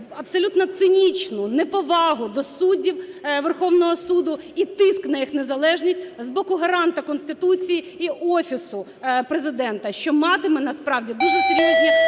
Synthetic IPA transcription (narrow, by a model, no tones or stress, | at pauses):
ɐpsɔlʲut̪nɐt̪sɪnʲit͡ʃnʊnɛpɔʋɑɦʊd̪ɔsudʲiwʋerxɔwnɔɦɔsud̪ʊit̪ɪsknɐjixnezɐlˠɛʒnʲisʲtʲzbɔkʊɦɐɾɑnt̪ɐkɔnst̪ɪt̪ut͡sʲiji | iʔɔfʲisʊ | pɾezɪd̪ɛnt̪ɐʃt͡ʃɔmɑt̪ɪmɛnɐspɾɑwdʲid̪uʐɛsɪɾʲiiɦʲi